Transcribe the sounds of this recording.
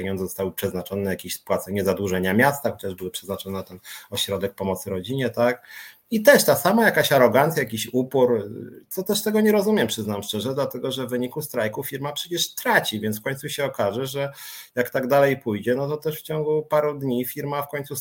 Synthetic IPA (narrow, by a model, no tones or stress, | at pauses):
eɲɔnd̪zɔst̪awɘpʂɛznat͡ʂɔnɛjakʲiɕspwat̪sɛɲɛzad̪wuʐɛɲamʲjast̪axɔt͡ɕaʐbɘwɘpʂɛznat͡ʂɔnɛt̪ɛnɔɕɾɔd̪ɛk̚pɔmɔt̪sɘɾɔd͡ʑiɲɛt̪ak | it̪ɛʂt̪asamajakaɕaɾɔɡant̪sʲjajakʲiɕupuɾt̪sɔt̪ɛʂt̪ɛɡɔɲɛɾɔzumʲjɛmpʂɘznamst͡ʂɛʐɛd̪lat̪ɛɡɔʐɛvvɘɲikust̪ɾajkufʲiɾmapʂɛt͡ɕɛʂt̪ɾat͡ɕivʲjɛntsfkɔɲt̪suɕɛɔkaʐɛʐɛjakt̪aɡd̪alɛjpujd͡ʑɛnɔt̪ɔt̪ɛʂft͡ɕɔŋɡupaɾud̪ɲifʲiɾmafkɔɲtsu